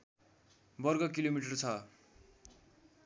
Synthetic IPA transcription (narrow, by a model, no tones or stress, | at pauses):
bʌrɡʌkilomiʈʌrt͡sʰʌ